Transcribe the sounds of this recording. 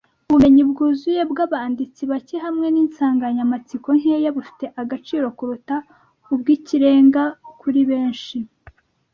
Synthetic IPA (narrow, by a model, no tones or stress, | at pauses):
uβume̞ɲib̚ɡuːzuje̞bɡaβaːndit͡siβaceɦamŋe̞niːnsaːŋɡaɲamat͡siko̞ŋ̥hejaβufi̥te̞ʔaɡat͡ʃiːɾo̞kuɾuta | ubɡiːciɾe̞ːŋɡakʰuɾiβe̞ːnʃi